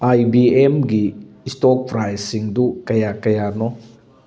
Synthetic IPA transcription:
ajbiemɡiːstɔk̚pʰɾajsiŋdukɐjakɐjanɔ

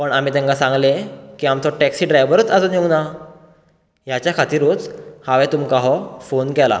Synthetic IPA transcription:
pəɳam̤iːt̪ɛ̃ŋkasãŋɡlekiːamt̪ɔʈɛksiːɖɾajʋəɾət͡sad͡zɔnjiwna | jat͡ɕjakʰat̪iːɾuːt͡shaʋɛt̪umkaɦɔfonkɛla̰

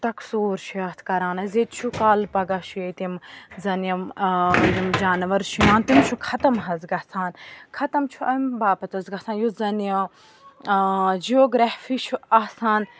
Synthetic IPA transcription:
t̪ɐksuːɾʃʰujɐːt̪ʰkɐɾaːnɐzet̪t͡ʃʰukaːlpɐɡaʃʰujet̪imzɐnjɐmjimd͡ʒaːnʋɐɾʃʰujãːnt̪imt͡ʃʰukʰɐt̪ɐmɦɐzɡɐt͡sʰaːnkʰɐt̪ɐmt͡ʃʰuɐmbaːpɐt̪ɐzɡɐt͡sʰaːnjuzɐnjɐ | d͡ʒioːɡɾahfit͡ʃʰuɐsaːn

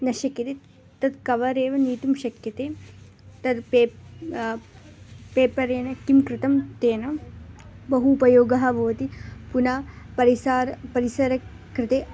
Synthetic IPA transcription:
nɐʃɐkiɾit̪ | t̪ɐd̪kɐʋɐɾeːʋɐniːt̪umʃɐkjɐt̪eː | t̪ɐd̪pe | peːpɐɾeːnɐkimkɾɪt̪ɐmt̪eːnɐ | bɐɦuːpɐjoːɡɐɦɐʋoːt̪ipunaː | pɐɾisaːɾɐpɐɾisɐɾɐ | kɾɪt̪eː

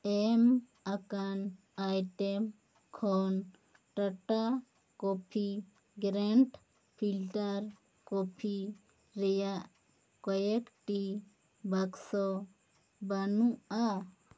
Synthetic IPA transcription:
ɛm | akan | ajʈɛm | kʰɔn | ʈəʈa | kɔpʰi | ɡɾɛɳʈ | pʰilʈaɾ | kɔpʰi | ɾɛjaʔ | kɔjɛkʈi | baksɔ | banua

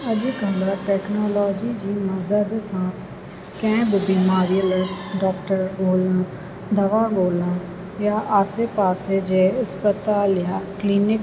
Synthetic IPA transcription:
ɐdikɐlaʈɛːknɔːlɔːd͡ʒid͡ʒiːmad̪əd̪sãːt̪ʰ | kɛ̃ːbbimaːɾijəlɖɔːkʈəɾboːlãː | d̪ɐʋaboːlã | jaʔaːsepaːsed͡ʒeɐspət̪aːljakliːnɪk

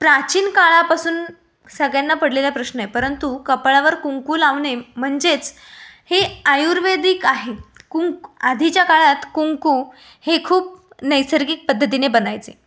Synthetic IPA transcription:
pɾat͡ɕiːnkaɭapasuːn | səɡɭjanːapəɽleljapɾəɕnəjepəɾənt̪ukəpɭaʋəɾkuŋkuːlaʋɳem̤əɳd͡zet͡s | heajuɾʋed̪iːkaɦekuŋkad̪ʱit͡ɕjakaɭat̪kuŋku | hekʰuːp̚ | nəjsəɾɡiːk̚pəd̪ʱːət̪̬inebənajt͡se

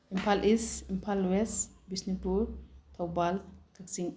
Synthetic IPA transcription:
impʰalʔisimpʰalwɛsbisnipuɾt̪ʰawbalkʰəksiŋ

